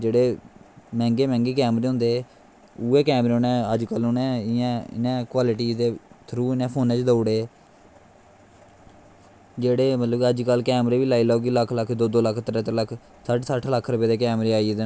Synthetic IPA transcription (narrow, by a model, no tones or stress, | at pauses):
d͡ʒeːɽeːmɛ̃ːŋɡeːmɛ̃ːŋɡeːkɛːmɾeːɦʊ̃nd̪eː | uːeːkɛːmɾeːonɛ̃ːəd͡ʒkəlʊnɛ̃ːɪjãːɪ̰nẽːkwaːlɪʈiːd̪eːt̪ʰəɾuːɪnɛ̃ːpʰoːnẽːt͡ʃd̪əʊːɽeː | d͡ʒeːɽeːmət̪ləbəd͡ʒkəlkɛːmɾeːʋiːlaːiːloːuɡiːləkʰːləkʰd̪oːd̪oːləkʰt̪əɾəːt̪əɾləkʰ | səʈsəʈʰləkʰːɾʊpeːd̪eːkɛːmɾeːaːiːd̪